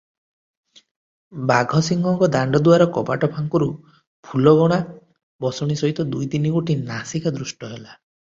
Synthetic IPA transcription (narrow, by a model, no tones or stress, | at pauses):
baɡʱɔsiŋɡɔŋkɔd̪aɳɖɔd̪uaɾɔkɔpa̰ʈɔpʰaŋkɔɾu | pʰulɔɡɔɽ̃a | bɔsɔɽ̃isɔɦit̪ɔd̪ujt̪iniɡoʈinasikad̪ɾusʈɔɦela